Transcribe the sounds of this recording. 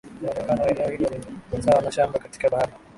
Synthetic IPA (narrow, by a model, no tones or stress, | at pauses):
aɛkanawaɛnɛɔhilɔmɛasawanaʃambakati̥kaɓahaɾi